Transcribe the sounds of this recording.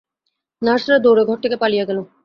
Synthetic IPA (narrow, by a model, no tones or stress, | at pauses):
naɾʃaɾad̪oɾeɡʱɔʈ̚t̪ʰːekepalijeɡɛlo